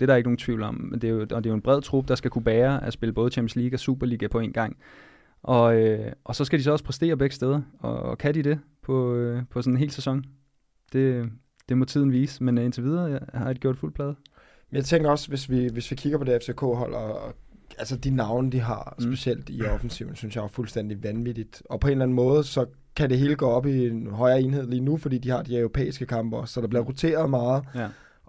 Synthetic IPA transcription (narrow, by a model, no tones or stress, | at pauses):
d̥e̝ɾ̥ɑ̈ɐeɡ̥əno̝ːn̩t͡sʰʋiʊ̰lɒ̽md̥ejod̥e̝jo̝e̝nb̥ʁɛð̰ˠt͡sʰʁub̥d̥ɑ̈sɡ̥ækʰub̥æːɐæsb̥e̝ləb̥ɔ̽ð̩ˠt͡ɕʰæm̥jn̩sliːɡ̥æsṵːb̥ɐliːɡ̥æpʰɒ̽e̝̰ːnɡ̥ɑ̈ŋ̰ | ʔɒ̽øʔɒ̽sɒ̽sɡ̥ædis̬ɒ̽ɒ̽spʰʁɛsd̥e̝̰ːɐb̥eɡ̥əsd̥eð̞ˠɐɒ̽kʰæd̥iɾ̥e̝ | pʰɒ̽pʰɒsɔ̽nene̝̰ːlsæsɒ̽ŋ | d̥e̝ | d̥e̝mɒ̽t͡sʰiðˠn̩ʋiːsmene̝nt͡sʰe̝ʋið̞ˠɐhɑ̈d̥iɡ̥jo̰d̥ful̰pʰlɛːðˠ | mmenjɑ̈ɪt͡sʰeŋɡ̥ɐɒ̽sʋe̝sʋiʋe̝sʋikʰiɡ̥ɐpʰɒ̽d̥e̝efsʰekʰo̰ːɦɒ̽l̰ɒ | ælsəd̥inɑ̈ʊnəd̥iɦɑ̈se̝ɕel̰d̥iɒfn̩siʊn̩synsjɑ̈fulsd̥en̰d̥iʋænʋid̥id̥ɒ̽pʰɒ̽e̝nlæn̩mɔ̽ːð̞̩ˠsɒ̽ | kʰæde̝ɦe̝ːləɡ̥ɔːɒ̽b̥ienɦɒ̽ɪɐe̝ːnɦe̝ð̞̰ˠliːnufɒd̥ḭːd̥ihɑ̈d̥iøʊʁo̝pʰḛːisɡ̥əkʰɑ̈mb̥ɐɒsːɒ̽d̥ɑ̈b̥liɐʁot͡sʰe̝̰ːɐð̞̩ˠmɑ̈ːð̩ˠ